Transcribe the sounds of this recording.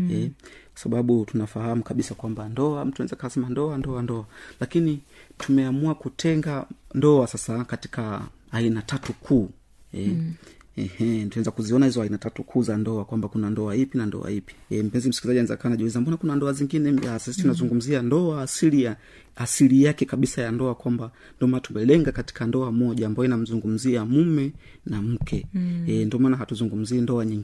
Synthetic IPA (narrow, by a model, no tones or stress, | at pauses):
ɛkwḁsaɓaɓutunafahamukaɓisakwambandɔam̩tuanɛzakaasɛmandɔandɔandɔalakinitʰumɛamuakutʰɛŋɡandɔasasakati̥ka | ainatatukʰuː | ɛ | ɛhɛntunɛzakuziɔnahizɔainatatukʰuːzandɔakwambakunandɔahipinandɔ̰a̰hipi̥m̩pɛnzim̩sikizaʄianɛza̰kawanaʄuizanmbɔnakunandɔaziŋɡinɛasisitunazuŋɡum̩ziandɔaːsilija | asilijakɛkaɓisajandɔakwamba | ndɔmaːnatumɛlɛŋɡakati̥kandɔamɔʄaːmbajɔinam̩zuŋɡum̩ziamumɛ | nam̩kʰɛndɔmaːnaɦatuzuŋɡum̩ziːndɔaɲiŋɡi